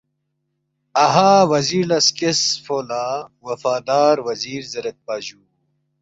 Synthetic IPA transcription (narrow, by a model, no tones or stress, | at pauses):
ɐɦaːwɐziːɾlɐskesfoːlaːwɐfaːd̪aːɾwɐziːɾzɐɾɐt̪̚baːʑuː